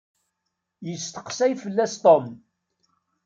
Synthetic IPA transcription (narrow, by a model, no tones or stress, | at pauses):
jəst̪ə̥qsæjfəlːæst̪ˤom